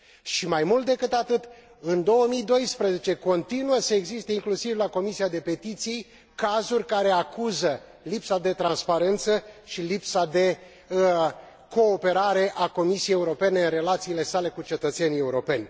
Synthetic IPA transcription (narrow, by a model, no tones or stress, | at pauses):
ʃimajmult̪̚d̪e̞kɨt̪at̪ɨt̪ | ɨnd̪o̞wəmijd̪o̞jspɾəze̞t͡ʃe̞ko̞nt̪inuəsəeɡzist̪əiŋklusivlako̞misiad̪e̞pe̞t̪it̪sij | kazurʲkaɾe̞akuzə | lipsad̪e̞t̪ɾanspaɾe̞nt̪səʃilipsad̪e̞ | ko̞ːpe̞ɾaɾe̞ʔako̞misijejeuɾo̞pe̞ne̞ɨnre̞lat̪siːle̞sale̞kut͡ʃe̞t̪ət̪senije̞uɾo̞pe̞nʲ